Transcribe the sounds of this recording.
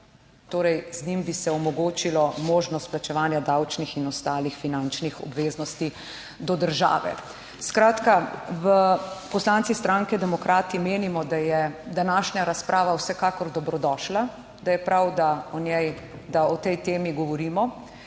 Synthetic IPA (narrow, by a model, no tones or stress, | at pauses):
t̪oːɾɛjznimbisɛɔmɔɡoːt͡ʃilɔmoːʒnɔst̪plat͡ʃɛʋaːnjad̪awt͡ʃnixinɔst̪aːlixfinant͡ʃnixɔ̰bʋeːznɔst̪i | d̪ɔd̪əɾʒa̰ːʋɛ̰ | skɾaːt̪kaʋəpɔslaːnt̪sist̪ɾaŋkɛd̪ɛmɔkɾaːt̪imeːnimɔd̪ajɛd̪anaʃɲaɾaspɾʔaːʋawsɛkaːkɔɾd̪ɔbɾɔd̪ɔːʃla | d̪ajɛpɾawd̪aɔnɛj | d̪aɔt̪ɛjt̪eːmiɡɔʋɔɾiːmɔ